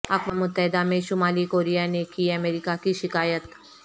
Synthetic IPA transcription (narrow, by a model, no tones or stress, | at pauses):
ɐkʋamʊt̪ːəɦɪd̪amẽʃʊmaːlikoːɾijanekiɐmeːɾɪkakiʃɪkaːjət̪